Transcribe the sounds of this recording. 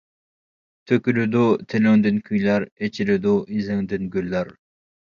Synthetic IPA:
t̪ʰøkʲylyd̪ʊt̪ʰɪlɪŋd̪ɪnkʲʰyjlæɾet͡ʃʰilɪd̪ʊʔizɪŋd̪ɪnɡʲylːæɾ

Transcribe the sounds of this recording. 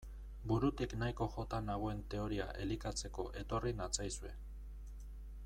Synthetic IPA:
buɾut̪iknajko̞xo̞t̪anaɣ̞oe̞nt̪e̞o̞ɾia̰ʔe̞likat͡se̞ko̞ʔe̞t̪o̞rinat͡sajsue̞

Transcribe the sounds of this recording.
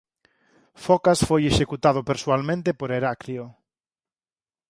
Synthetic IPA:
fɔkasfojeʃekut̪að̞opeɾswalmẽnt̪epoɾeɾakɾio

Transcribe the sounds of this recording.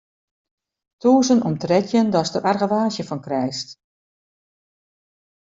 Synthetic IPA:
tuːzənɔmtrɛtʰjəndɔstərʔarɣəʋaːzjəfɔnkrɛjst

